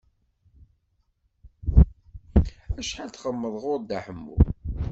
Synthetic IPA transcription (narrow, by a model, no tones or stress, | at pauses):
æʃħaθχəmːəðˤʁʊɾd̪aħəmːṵ